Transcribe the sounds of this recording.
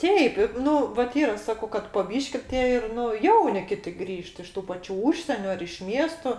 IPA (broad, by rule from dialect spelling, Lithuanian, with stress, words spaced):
ˈtʲɛɪp ɪ ˈnʊ ʋɐt ˈiːrɐ ˈsɑːkɐʊ kɐt poː ˈbʲiːʃʲkʲɪ ˈtʲiɛ ɪr ˈnʊ ˈjɛʊnʲɪ ˈkʲɪtʲɪ ˈɡrʲiːʃt ɪʃ ˈtuː pɐˈt͡ʃʲuː ˈuːʃʲsʲiɛnʲʊ ɐr ɪʃ ˈmʲiɛstoː